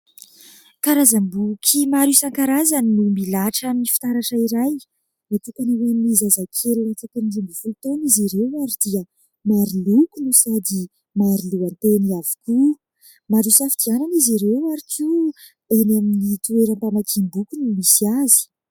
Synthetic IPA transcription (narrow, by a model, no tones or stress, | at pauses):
kaɾazambukʰimaɾisaŋkaɾazaninumilaʈ͡ʂaminifi̥t̪aɾaʈ͡ʂaiɾaj | mat̪ukaniwenimizazakʰellat͡s̪akanilimbifulut̪oniziɾewaɾid̪̥iə | maɾilukunusad̪i | maɾiluant̪eniavi̥ku | maɾusafid̪iananiziɾewaɾiki | enaminit̪ueɾəmpamakʰimbukunumisiazi̥